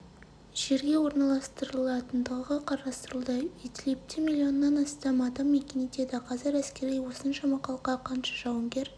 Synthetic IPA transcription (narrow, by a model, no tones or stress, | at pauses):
ʒ̥e̞ɾɡʲe̞wo̞ɾnɑlˠɑst̪əɾəlˠɑt̪ənd̪əʁəqʰɑɾɑst̪əɾəlˠd̪əit̪ʲlʲep̚t̪ʰɪmilʲːio̞nːɑnɑst̪ɑmɑd̪ɑmːekʲenid̪e̞d̪ɪqʰɑzɪɾæskʲe̞ɾijwo̞sənʃɑmɑqɑlˠqːɑqʰɑnʃɑ̥ʒɑwəŋɡʲe̞ɾ